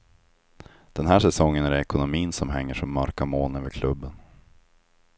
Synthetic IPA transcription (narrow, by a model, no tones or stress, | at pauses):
d̪̥ɛnɦæːʂɛsɔŋːənæɾɛɛkʊnʊmiːnsɔmɦɛŋːəʂɔmːœɾkamoːløːvəɾkʰlɵbːən